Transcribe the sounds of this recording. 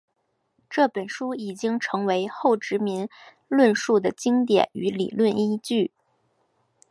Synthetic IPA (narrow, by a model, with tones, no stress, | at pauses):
ʈ͡ʂɤ˥˩pə˨˩nʂu˥i˨˩t͡ɕi˥ŋʈ͡ʂʰɤ˧˥ŋwe˧˥ɪxo˥˩ʊʈ͡ʂɻ̩˧˥mi˧˥n | lwə˥˧nʂu˥˩d̪ə˩t͡ɕi˥ŋt̪jɛ̰˨˩˦ny˧˥lḭ˨˩lwə˥˩ni˥t͡ɕy˥˩